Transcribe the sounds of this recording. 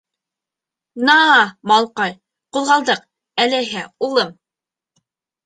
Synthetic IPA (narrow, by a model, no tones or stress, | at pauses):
nɑmɑlˠqɑj | qulˠʁɑlˠd̪ɤq | ælɘ̆ɦɘulˠɤm